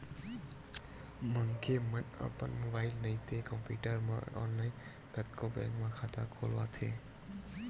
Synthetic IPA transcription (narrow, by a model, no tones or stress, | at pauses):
məŋkʰemənə̰pənmobaːɪlnəĩt̪ʰekə̃mpuːʈəɾmã̰ɔ̰ːnlaːɪn | kət̪kʰobɛ̰̃ːŋkmãxʰat̪ʰakʰolʋat̪ʰeː